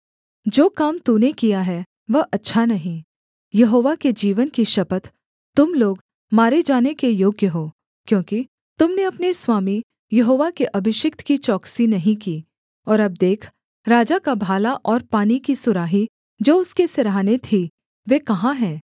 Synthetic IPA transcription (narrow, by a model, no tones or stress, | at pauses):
d͡ʒoːkaːmt̪uːnekijaɦɛ | ʋəʔɐtːʃʰanɐɦĩ | jɐɦoːʋaked͡ʒiːʋənkiʃɐpət̪ | t̪ʊmloːɡ | maːɾed͡ʒaːnekejoːɡjəɦoː | kjõːki | t̪ʊmneɐpneswaːmi | jɐɦoːʋakeʔɐbʱɪʃɪkt̪kit͡ʃɔːksinɐɦĩkiː | ɔːɾɐb̚d̪eːkʰ | ɾaːd͡ʒakabʱaːlaʔɔːɾpaːnikisʊɾaːɦi | d͡ʒoːʊskeseɾaːnet̪ʰi | ʋeːkɐɦãɦɛ̃ː